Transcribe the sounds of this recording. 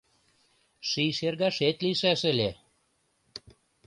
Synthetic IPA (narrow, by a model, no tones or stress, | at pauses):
ʃiʃerɣɑʃet̪liʃæʃə̆lʲe